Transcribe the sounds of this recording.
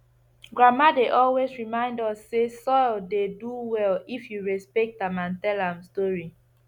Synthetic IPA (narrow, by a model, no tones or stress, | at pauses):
ɡɹamadeʔɔlwesɹimãɪ̃ndɔsːesɔldeduwɛlifjuɹɛspɛk̚tãmãntɛlãmstɔɹi